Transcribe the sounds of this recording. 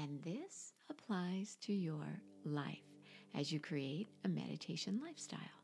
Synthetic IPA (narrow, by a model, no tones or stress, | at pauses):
ɨ̃nðɪsəpʰl̥aɪz̥tʰɨjə̰˞ | laɪf | ɨ̰zjɨkʰɹ̥ieɪɾɨmɛ̰ɾɨ̰tʰeɪʃɨ̃nlaɪfstʰa̰ɪlˠ